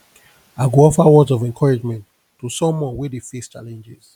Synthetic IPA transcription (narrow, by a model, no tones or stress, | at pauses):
aɪɡoɔfawɔzɔvɛ̃nkʰɔɹid͡ʒmɛ̃nt | tːosɔ̃mːɔ̃wedefest͡ʃa̰lɛ̃nd͡ʒɪz̥